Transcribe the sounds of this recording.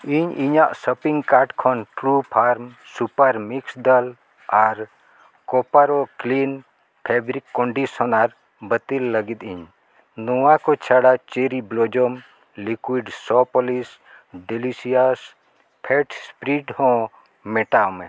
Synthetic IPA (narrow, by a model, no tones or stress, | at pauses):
iɲiɲaʔsəpiŋkaʈkʰɔnʈɾupʰaɾmsupaɾmiksd̪əl | aɾ | kɔpaɾɔklin | pʰebɾikːɔɳɖisɔnaɾ | bət̪ilːəɡit̪iɲ | nɔwakɔt͡ʃʰaɽat͡ʃeɾiblɔd͡ʒɔm | likwiɖsɔpɔlis | ɖilisijas | pʰɛʈspɾiʈhɔ̃ | mɛʈamɛ